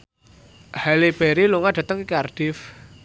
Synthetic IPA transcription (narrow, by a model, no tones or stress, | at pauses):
haleb̥eɾiluŋaɖ̥a̤t̪əŋikarɖ̥ɪf